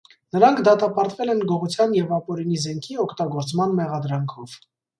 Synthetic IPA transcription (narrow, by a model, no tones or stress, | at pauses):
nəɾɑŋkʰd̪ɑt̪ɑpɑɾt̪vɛlɛnɡɔʁut͡sʰjɑnjɛvɑpɔɾinizɛŋkʰiɔkʰt̪ɑɡɔɾt͡smɑnmɛʁɑd̪ɾɑŋkʰɔv̥